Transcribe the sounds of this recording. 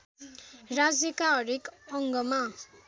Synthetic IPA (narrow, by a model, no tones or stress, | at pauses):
rad͡zjʌkaɦʌɾikʌŋɡʌma